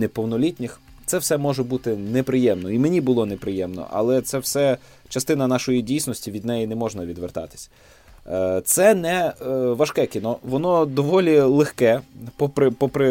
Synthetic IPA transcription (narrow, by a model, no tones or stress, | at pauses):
nɛpɔwnɔlʲitʲnʲɪx | t̪sɛwsɛmɔʒɛbut̪ɪnepɾɪjɛmnɔimenʲibʊlˠɔnepɾɪjɛmnɔ̰ʔɐ̰lˠɛt̪sɛwsɛ | t͡ʃɐst̪ɪnɐnɑʃɔjidʲijsnɔsʲtʲiʋʲid̪nɛjinɛmɔʒnɐʋʲid̪ʋert̪ɑ̰t̪ɪ̥sʲɐ̥ | t̪sɛnɛʋɐʃkɛkʲinɔʋɔnɔd̪ɔʋɔlʲilˠexkɛpɔpɾɪpɔpɾɪ